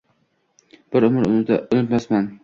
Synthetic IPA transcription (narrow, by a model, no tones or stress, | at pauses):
b̥ɪɾʊmɪɾʊʊnɪt̪masman